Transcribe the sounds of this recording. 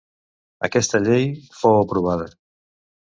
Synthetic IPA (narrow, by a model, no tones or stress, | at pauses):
akɛst̪əʎejfowapɾuβ̞að̞ə